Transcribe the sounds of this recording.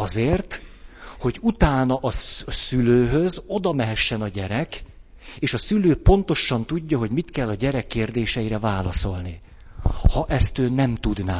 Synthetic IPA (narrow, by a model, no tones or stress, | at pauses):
ɒzeːrt̪ho̞ɟut̪aːnɒʔɒsyløːɦøzo̞d̪ɒmɛɦɛʃːɛnɒɟɛɾɛk | eːʃɒsyløːpo̞n̪t̪o̞ʃɒnt̪uɟːɒɦo̞ɟmit̪kɛlːɒɟɛɾɛkːeːrd̪eːʃɛjiɾɛvaːlɒso̞lni | hɒʔɛst̪øːnɛmt̪ud̪naː